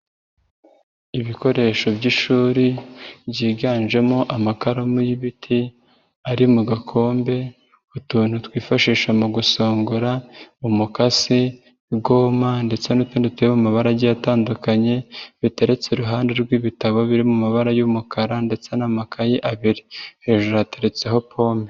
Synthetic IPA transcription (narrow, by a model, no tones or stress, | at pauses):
iβiko̞ɾe̞ʃo̞bɟiʃuːɾibɟiːɡaːnʒe̞mo̞ʔamakaɾomujiβitʰi | aɾimuɡakʰo̞ːmbe̞ | utuːn̥hutwiːfaʃiːʃamuɡuso̞ːŋɡuɾaumukasi | ɡo̞ːmande̞t͡se̞nutuːnditeɾimumaβaɾaɟijataːndukaɲe̞βite̞ɾe̞t͡seɾuɦaːndeɾɡwiːβitaβo̞βiɾimumaβaɾajumukʰaɾande̞t͡se̞namakʰajiʔaβiɾihe̞ːʒoɾateɾe̞t͡se̞ɦo̞pʰo̞ːme